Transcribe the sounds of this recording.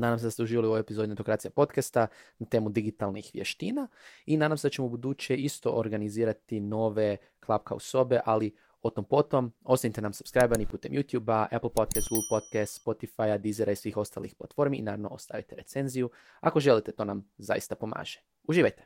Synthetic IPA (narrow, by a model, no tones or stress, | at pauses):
naːd̪amseast̪euʒiːʋalio̞ʋjoepizo̞d̪inet̪okɾaːt̪siapo̞t̪kast̪anat̪e̞ːmud̪iɡit̪alˠnixʋjḛʃt̪iːnainaːd̪amseat͡ɕe̞moubud̪ut͡ʃeist̪o̞̰ʔoɾɡaniziːɾat̪ino̞ːʋe̞ | klˠapka̰ṵso̞beʔali | ot̪ompo̞t̪o̞mo̞sanit̪enamsu̥pskɾajbanipuːt̪e̞̰mjut̪juːbaapl̩ˠpot̪̚kɛst̪ɡuɡlˠpot̪̚kɛst̪spo̞t̪ifajad̪izeɾʔaisʋiːxo̞st̪a̰lḭxplˠa̰t̪fo̞ɾmḭːnaːɾaʋno̞o̰st̪a̰ʋit̪eɾe̞t̪se̞nziju | ako̞ʒe̞lit̪et̪o̞ːnamza̰jḭst̪apo̞ma̰ːʒ̥e | uʒiːʋajt̪e̥